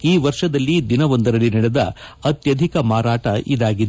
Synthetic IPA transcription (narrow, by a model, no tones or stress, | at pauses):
iːʋɐɾʂɐd̪ɐlːid̪inɐʋɐnd̪ɐɾɐlːinɐɽɛd̪ɐ̰ɐt̪jɐd̪ʱikɐmaːɾaːʈɐʔid̪aːɡid̪